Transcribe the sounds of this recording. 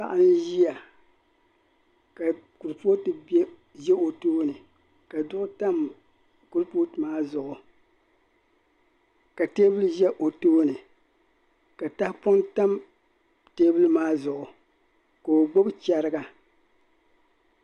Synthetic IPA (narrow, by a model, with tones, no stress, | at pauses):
a˦ʔa˦n˦ʒi˦ja˨ | ka˨ku˨ɾpo˦tɨ˨bɛ˦ | ʒɛ˦o˨toː˦nɨ˨ | ka˨dʊ˦ʔʊ˦ta˦m | ku˦ɾpo˦tɨ˨maː˦zʊ˨ʔʊ˨ | ka˨teː˦bɨ˦lɨ˦ʒɛ˦ʔo˨toː˦nɨ˨ | ka˨ta˦hpʊ˦nta˦m | teː˦bɨ˦lɨ˦maː˦zʊ˨ʔʊ˨ | ko˨o˨ɡ͡bo˦bt͡ʃɛ˨ɾɨ˦ɡa˦